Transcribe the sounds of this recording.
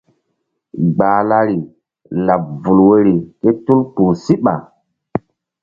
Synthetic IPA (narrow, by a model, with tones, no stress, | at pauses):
ɡ͡baː˨la˦ɾi˨ | la˨p̚vu˨lwe˦ɾi˨ke˦tu˦lk͡puː˨si˦ɓa̰˨